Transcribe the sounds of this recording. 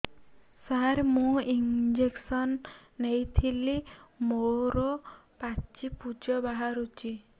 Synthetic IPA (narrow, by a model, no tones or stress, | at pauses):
saɾmũind͡ʒeksɔnːejt̪ʰilimoɾɔpat͡ʃipud͡ʒɔbaɦaɾut͡ʃʰi